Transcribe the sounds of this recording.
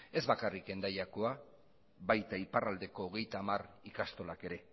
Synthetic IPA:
e̞zβakarike̞nd̪ajako̞a | βajt̪aiparald̪e̞ko̞ːɣe̞jt̪aːmarikast̪o̞lake̞ɾe̞

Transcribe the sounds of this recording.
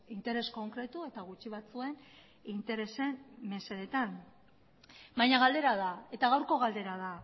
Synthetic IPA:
int̪e̞ɾe̞sko̞ŋkɾe̞t̪ue̞t̪aɣ̞ut͡ʃiβ̞at͡sue̞n | int̪e̞ɾe̞se̞nme̞seðet̪an | bajɲaɣald̪e̞ɾaðae̞t̪aɣ̞awɾko̞ɣ̞ald̪e̞ɾað̞a

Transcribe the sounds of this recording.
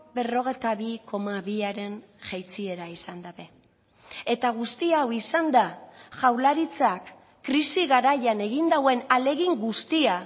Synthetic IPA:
be̞ro̞ɣ̞e̞jt̪aβikʰo̞maβiaɾe̞n | ʝajt͡sie̞ɾaisand̪aðe̞ | e̞t̪aɣ̞ust̪iawisand̪aʝawlaɾit͡sakː | ɾisiɣaɾajane̞ɣind̪awe̞nale̞ɣiŋɡust̪ia

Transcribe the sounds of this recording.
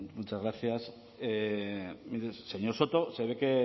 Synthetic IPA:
mut͡ʃazɣɾaθjas | e | miɾesse̞ɲo̞ɾso̞t̪o̞se̞β̞e̞ke̞

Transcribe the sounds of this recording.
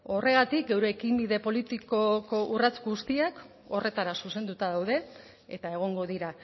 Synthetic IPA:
o̞re̞ɣ̞at̪ik̚ɡe̞wɾeːkimbiðe̞po̞lit̪ikoko̞ʔurat͡skuɣust̪iak | o̞re̞t̪aɾasuse̞nd̪ut̪að̞awð̞e̞ | et̪ae̞ɣ̞o̞ŋɡo̞ðiɾa

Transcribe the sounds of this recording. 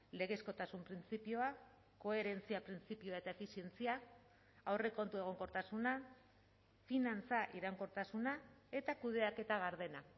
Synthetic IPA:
le̞ɣesko̞t̪asumpɾint͡sipioa | ko̞e̞ɾe̞nt͡siapɾint͡sipioaet̪aefisie̞nt͡sia | awre̞ko̞nt̪ueɣ̞o̞ŋko̞ɾt̪asuna | finant͡saʔiɾaŋko̞ɾt̪asunae̞t̪akuð̞e̞ake̞t̪aɣaɾð̞e̞na

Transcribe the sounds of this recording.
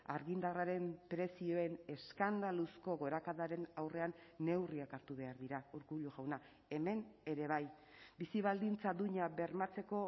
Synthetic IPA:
aɾɣind̪araɾe̞mpɾe̞sio̞e̞ne̞skand̪alusko̞ɣo̞ɾakaðaɾe̞nawre̞anːe̞wriakaɾt̪uβ̞e̞aɾðiɾauɾkuʎuɣawna | e̞me̞ne̞ɾe̞β̞aj | bisiβald̪int͡sad̪uɲaβe̞ɾmat͡se̞ko̞

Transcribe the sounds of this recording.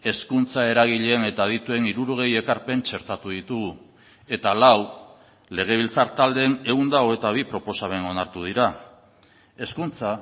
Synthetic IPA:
e̞skunt͡sae̞ɾaɣ̞iʎene̞t̪að̞it̪ue̞niɾuɾoɣ̞e̞je̞kaɾpe̞nt͡ʃe̞ɾt̪at̪uðit̪uɣu | e̞t̪alaw | le̞ɣ̞e̞β̞ilt͡saɾt̪ald̪ene̞und̪aoe̞t̪aβ̞ipɾo̞po̞saβe̞no̞naɾt̪uð̞iɾa | e̞skunt͡sa

